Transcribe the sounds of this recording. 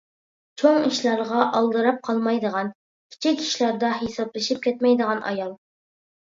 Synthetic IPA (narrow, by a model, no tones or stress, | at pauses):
t͡ʃʰoŋiʃlˠɑɾʁɑʔɑlˠd̪ɨɾɑp̚qʰɑlˠmɑjd̪əʁɑn | kʲʰi̥t͡ʃʰikʲi̥ʃlɑɾd̪ɑɦesɑblˠɨʃip̚kʲʰɛt̪mɛjd̪əʁɑnʔɑ̰jɑlˠ